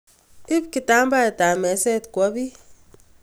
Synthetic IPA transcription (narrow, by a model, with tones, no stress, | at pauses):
i˦p̚ki˨ta˦m˦ba˦e˨ta˨mɛ˨˦sɛ˦˨tkwɔ˨˦bi˦